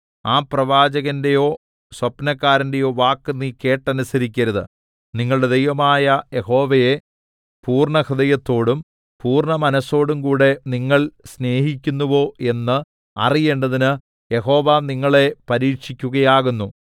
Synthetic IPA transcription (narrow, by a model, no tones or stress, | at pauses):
aːprɐʋaːd͡ʑɐɣɐnde̞jo̞ː | swɐpnɐkːaːɾɐnde̞jo̞ːʋaːkːɨnːiːke̞ːʈːɐnusɐɾikʲːɐɾɐðɨ̰ | niŋːɐɭɨɽe̞d̪ejʋɐmaːjɐje̞ho̞ːʋɐje | puːrɳɐxɨðɐjɐt̪ːo̞ːɽum | puːrɳɐmɐnɐsːo̞ːɽumkuːɽe̞niŋːɐɭsne̞ːɦikʲːunːuʋo̞ːʔe̞nːɨ | ɐ̰rije̞ːɳɖɐðinɨ | je̞ɦo̞ːʋaniŋːɐɭe̞pɐɾiːʈʂikʲːuɣɐjaːɣunːu